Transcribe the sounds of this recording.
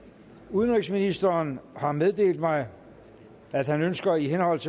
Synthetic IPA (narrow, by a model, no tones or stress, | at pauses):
uðˠənʁiɡsminisd̥ɐːnhɑ̈með̞ˠd̥e̝̰ːld̥mɑ̈ɪ | æd̥hænønsɡ̥ɐiɦenhɒ̽l̰t͡sʰe̝